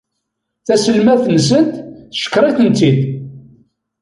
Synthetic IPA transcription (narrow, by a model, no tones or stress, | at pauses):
θæsəlmæθns̬ənt̪θʃə̥kːɾˤiθənt̪id̪